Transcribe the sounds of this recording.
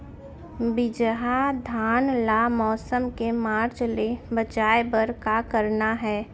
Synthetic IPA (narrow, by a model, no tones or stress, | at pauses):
bɪd͡ʒɦad̪ʱaːnlamɔːsəmkemaːɾd͡ʒlebət͡ʃaːebəɾkakəɾnaɦɛː